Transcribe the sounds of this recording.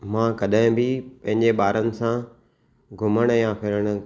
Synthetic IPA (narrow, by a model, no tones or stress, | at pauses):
mãːkɐɗɪ̃bɪpɐ̃ɦɪ̃ɲd͡ʑeɓaːɾənɪ̆sã | ɡʱʊməɽ̃ʊjãfʰɪɾəɽ̃ʊ̆